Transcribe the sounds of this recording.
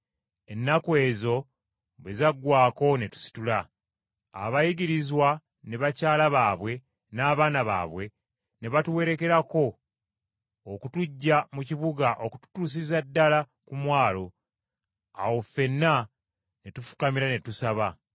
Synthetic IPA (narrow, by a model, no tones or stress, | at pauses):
e̞nːakwe̞ːzo̞ | βe̞zaɡwaːko̞ne̞tu̥si̥tula̰ː | βajiɡiɾizwa | ne̞βacaːlaβaːβwe̞ | naːβaːnaβa̰ːβwe̞ | ne̞βatuwe̞ɾe̞ke̞ɾako̞ | kutuɟːamuciβuɡaʔo̞ku̥tu̥tuːs̬izadːala | kumwaːlo̞ | a̰wofe̞nːa | ne̞tufu̥kamiɾane̞tusaβa